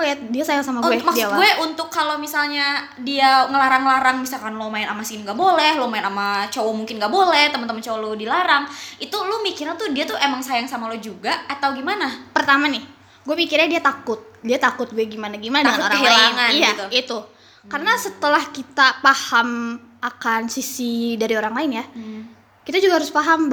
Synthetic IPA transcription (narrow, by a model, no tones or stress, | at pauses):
jadiasajaŋsamaɡuɛmakdiawaɡuɛʔunt̪ʊkːalomisalɲa | diaŋəlaɾaŋlaɾaŋmisalkanlomaɪnamasiniɡaʔbolɛhlomaɪnamat͡ʃowomuŋkɪnɡaʔbolɛht̪əmənt̪əmənt͡ʃowalodilaɾaŋʔit̪ulumikiɾant̪udiat̪uemaŋsajaŋsamalod͡ʒuɡaat̪awɡimanapərt̪amanɪh | ɡuamikiɾɲadiat̪akʊt̪̚diat̪akʊt̪̚ɡuɛɡimanaɡimanaəŋanoɾaanŋanjait̪u | kaɾənasət̪əlahkit̪apaham | akansisidaɾioɾaŋlaɪnja | kit̪ad͡ʒuɡahaɾʊspaɦamb